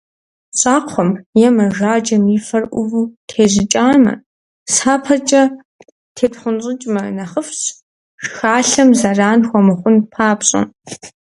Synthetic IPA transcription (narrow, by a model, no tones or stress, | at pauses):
ɕʼaːqʷʰɔmjɛmɐʒaːd͡ʒɐmiːfɐrʔʷʊ̰vuːtʰeːʑɪt͡ʃʼaːmɐ̰ | saːpʰɐt͡ʃʼɐ | tʰeːtχʷʊnɕʼɪt͡ʃʼmɐnɐχəfɕ | ʂxaːɬɐmzɐraːnxʷɔmɨχʷʊnpʰaːpɕʼɐ̰